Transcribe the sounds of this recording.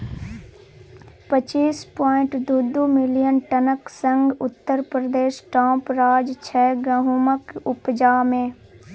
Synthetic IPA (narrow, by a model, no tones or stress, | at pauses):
pət͡ʃiːspɔːɪ̃ɳʈd̪ud̪umɪlijənʈənəksə̃ŋɡʊt̪ːəɾpɾəd̪eːʃʈãːpɾaːd͡ʒt͡ʃʰɛːɡəɦuməkʊpd͡ʒaːmẽː